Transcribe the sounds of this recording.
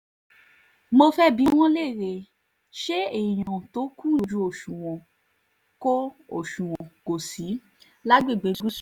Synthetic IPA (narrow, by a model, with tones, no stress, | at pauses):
mo˧fɛ˦bi˨˦w̃ɔ̃˦le˦˨ɾe˧˨ | ʃe˦e˦˨j̃ã˨to˨˦kũ˦˨u˨d͡ʒu˧˦o˨ʃũ˨w̃ɔ̃˨ | ko˦o˨ʃũ˨wɔ̃˨ɡ̥o˨si˨˦ | la˦ɡ͡be˦˨ɡ͡be˨˦u˦